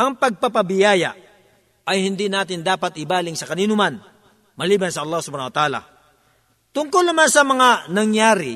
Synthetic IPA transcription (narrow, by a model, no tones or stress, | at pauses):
ʔɐŋpɐɡ̚pɐpɐbɪjaːjɐ̰ | ɐjhɪnd̪inaːt̪ɪnd̪aːpɐt̪ɪbaːlɪŋsɐkɐniːnʊman | mɐliːbɐnsɐʔɐlːaːhsʊbaːnɐwɐt̪ʔaːla̰ | t̪ʊŋkolnɐmansɐmɐŋanɐŋjaːɾɪ